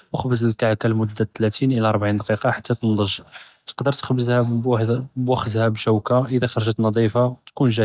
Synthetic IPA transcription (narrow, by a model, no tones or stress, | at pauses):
wəxbəzəlkaʕkælmʊd̪ːæt̪ːlæt̪inʔəlæɑɾˤbʕind̪ɑqiqɑħat̪ːæt̪ənd̪ˤəʒ | t̪ə̥qd̪əɾt̪xbəzhæ | bwæxəd̪hæbʃæwkaʔəd̪æxɑɾˤʒət̪nɑd̪ˤifɑt̪kunʒæ